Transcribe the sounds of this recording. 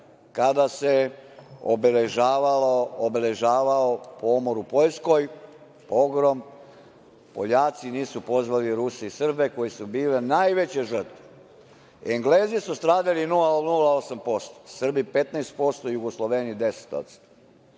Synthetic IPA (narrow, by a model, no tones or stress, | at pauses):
kad̪ase | obeleʒaːʋaloobele̞ʒaːʋaopoomoɾupo̞ʎsko̞j | poɡɾom | poʎaːt̪siniːsupo̞zʋaliɾuseisr̩beko̞jesubiːlenaːjʋet͡ɕeʒər̩t̪ʋe̥ | eŋɡleːzisust̪ɾaːd̪alinulaonulao̞sampo̞st̪o̥sr̩bipet̪naest̪̚po̞st̪ojuɡoslˠoʋenid̪e̞se̥t̪o̰t̪st̪o̥